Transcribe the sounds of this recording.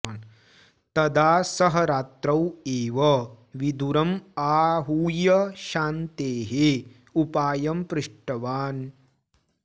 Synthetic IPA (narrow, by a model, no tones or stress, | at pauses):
n | t̪ɐd̪aːsɐɦɐɾaːt̪ɾɐweːʋɐ | ʋid̪uɾɐmaːɦuːjɐʃaːnt̪eːɦe | upaːjɐmpɾɨʂʈɐʋaːn